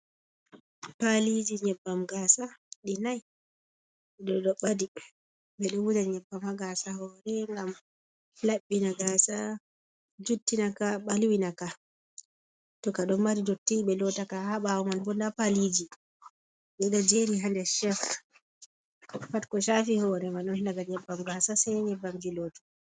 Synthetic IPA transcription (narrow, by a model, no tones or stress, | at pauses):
palid͡ʒiɲɛbːamɡasaɗinaj | ɗɔdɔɓadi | ɓɛɗɔwud͡ʒaɲɛbːamhaɡasahɔɾɛŋɡam | laɓːinaɡaːsa | d͡ʒutːinakaɓalwinaka | tɔkaɗɔnbadidɔtːiɓɛlɔtakahaɓawɔmanbɔndapalid͡ʒi | ɓɛɗad͡ʒeɾiɦandɛʃɛf | fatkɔʃafihɔɾɛmaɗɔnhindaɡalɲɛbːamɡasasɛjɲɛbːamd͡ʒilotu̥